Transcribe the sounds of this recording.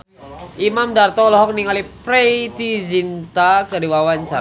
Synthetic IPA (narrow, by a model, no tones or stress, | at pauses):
ʔimamdart̪ɔlɔɦɔk̚niŋalipɾeit̪izint̪akədiwawaɲt͡ʃaɾ